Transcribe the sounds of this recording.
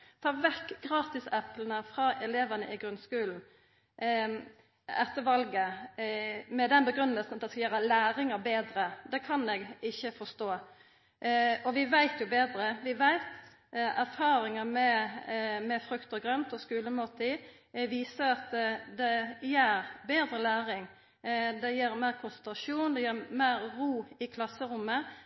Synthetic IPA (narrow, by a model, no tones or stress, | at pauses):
t̪ʰɑːʋɛkːɡʁɑːt̪ɪsɛplən̩əfʁɑʔɛleːʋənə̰ʔɪɡɾʉnskʉːln̩ | ɛt̪ːəʋɑlɡə | mɛd̪ɛnbəɡɾʉnːəlsn̩ɑt̪̚d̪ɛskɑjøːɾəlæːɾɪŋəbeːd̪ɾəd̪ɛkʰɑnɛɡɪçːəfɔst̪oː | ɔʋɪʋæɪt̪jʊbeːd̪ɾəʋɪʋæɪt̪ | æɾfɑːɾɪŋəmɛ | mɛfɾʉkt̪əɡɾœnt̪ɔskʉːləmɔːt̪ʰi | ʋiːsəɾɑt̪d̪ɛjæːɾbeːd̪ɾəlæːɾɪŋ | d̪ɛjiːɾmæɪɾkʰʊnsɛnt̪ɾɑʂuːnd̪ɛjiːɾmæɪɾɾuːɪkʰlɑsːəɾʊmə